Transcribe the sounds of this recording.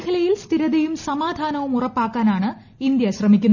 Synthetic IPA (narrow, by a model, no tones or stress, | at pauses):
kʰɐlɐjilst̪ʰiɾɐðɐjumsɐmaːd̪ʱaːnɐʋumurɐpːaːkːaːnaːɳɨ | ind̪jɐɕrɐmikʲːunːɐ